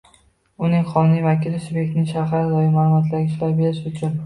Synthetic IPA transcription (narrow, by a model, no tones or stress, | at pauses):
ʊnɪŋqʰɒnɪjvakʲɪlɪsʊbekʲnɪŋʃaɦaɾd̪ɒjɪmalˠmat̪ʰlaɡʲɪʃlaɾbe̞ɾɪʃʊt͡ʃʰʊn